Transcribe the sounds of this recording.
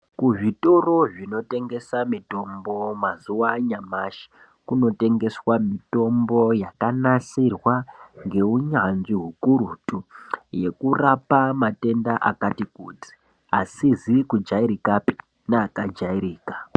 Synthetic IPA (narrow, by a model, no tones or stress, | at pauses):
kuʐito̞ro̞ʐino̞te̞ŋɡe̞samito̞mbo̞mazuwaɲamaʃi̥ | kuno̞te̞ŋɡe̞swamito̞mbo̞jakanasirwaŋɡe̞uɲanʐiɦukuɾutuje̞kurapamate̞ndaʔakatikuːd͡zi̥ | asizikud͡ʒaiɾikapi̥ | naːkad͡ʒaiɾiːkḁ